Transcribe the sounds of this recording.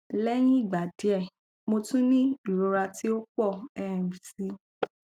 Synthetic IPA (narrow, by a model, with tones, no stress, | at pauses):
lɛ˦j̃ĩ˦i˦˨ɡ͡ba˨di˨˦ɛ˦˨ | mo˧tũ˦nĩ˦i˦˨ɾo˨˦ɾa˧ti˦o˦k͡pɔ˦˨ɛ˨ɛ̃˨mĩ˨si˨˦